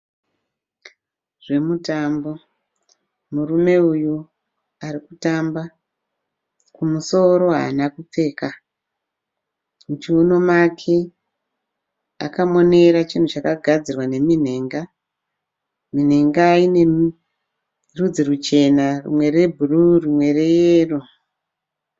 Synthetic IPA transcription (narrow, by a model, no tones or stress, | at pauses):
ʐ̥e̞mutambo̞ | murume̞uju | aɾikutamba | kumuso̞ɾo̞ɦa̰ːnakup͡fe̞ːka | mut͡ʃiono̞makʰe̞ | akamo̞ne̞ɾat͡ʃin̤ut͡ʃakaɡʱad͡zirwane̞min̤e̞ːŋɡa | min̤e̞ŋɡaːine̞ | rud͡ziɾut͡ʃe̞narṵmwe̞re̞bʱururimwe̞re̞jeːro